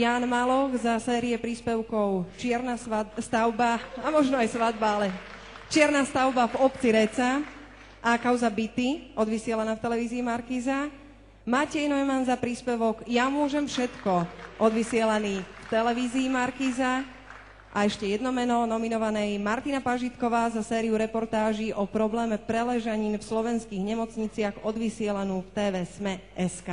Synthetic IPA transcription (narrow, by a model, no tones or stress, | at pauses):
jaːnmalɔɣzasɛːɾiɛpɾiːspɛʊkɔʊt͡ʃɪɛɾnasast̪aʊbaamɔʒnɔajsʋad̪baalɛ | t͡ʃɪɛɾnaːst̪aʊbavɔpt͡siɾɛt͡sa | ʔːkaʊzabit̪iɔd̪ʋisɪɛlanaːft̪ɛlɛʋiːziːmaɾkiːza | macɛjnɔjɛmanzapɾiːspɛʋɔɡjamʊɔʒɛmfʃɛt̪kɔʔɔd̪ʋisɪɛlaniːft̪ɛlɛʋiːziːmaɾkiːza | ʔaɛʃcɛjɛd̪nɔmɛnɔnɔminɔʋanɛjmaɾt̪inapaʒit̪kɔʋaːzasɛːɾiuɾɛpɔɾt̪aːʒiʔɔpɾɔblɛːmɛpɾɛlɛʒaɲiːmfslɔʋɛnskiːɣɲɛmɔt͡sɲit͡sɪaɣɔd̪ʋisɪɛlanuːft̪ɛːʋɛːsmɛ | ɛskaː